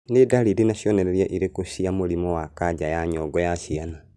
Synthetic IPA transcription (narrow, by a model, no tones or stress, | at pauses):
nedaliɾinaʃjɔnɛɾɛɾjaʔiɾekoʃiamoɾimɔwakaɟajaɲɔɡɔjaʃiana